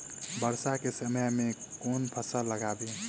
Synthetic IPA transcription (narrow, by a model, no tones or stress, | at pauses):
bəɾsakesəməjmẽkoːnpʰəsələɡaːbe